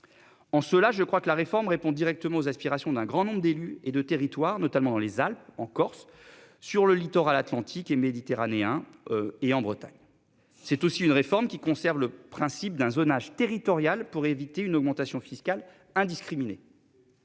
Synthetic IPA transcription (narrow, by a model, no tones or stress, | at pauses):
ɑ̃səlaʒəkχwakəlaʁefɔʁmʁepɔ̃d̪iʁɛk̚t̪əmɑ̃ozaspiʁasjɔ̃d̪ɛ̃ɡʁɑ̃nɔ̃bʁəd̪elyed̪ət̪eʁit̪waʁnɔt̪almɑ̃d̪ɑ̃lezalpɑ̃kɔʁsː | yʁləlit̪ɔʁalat̪lɑ̃t̪ʰikemed̪it̪eʁaneɛ̃eɑ̃bʁət̪a̰ɲ | sɛt̪osiynʁefɔʁmkʲikɔ̃sɛʁvləpχɛ̃sip̚d̪ɛ̃zonaʒt̪eʁit̪ɔʁjalpuʁevit̪eynɔɡ̚mɑ̃t̪asjɔ̃fiskal | ɛ̃d̪iskχimine